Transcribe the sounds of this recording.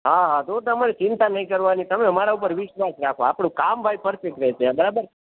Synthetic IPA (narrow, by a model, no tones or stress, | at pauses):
ɦaɦãt̪ot̪əmaɾit͡ʃɪnt̪anəɦĩkəɾʋanit̪əmeəmaɾaup̬əɾʋɪʃʋasɾakʰoapɳũkambʱajpəɾfek̚ʈ̪ɾɛɦt͡ʃʰeabəɾabəɾ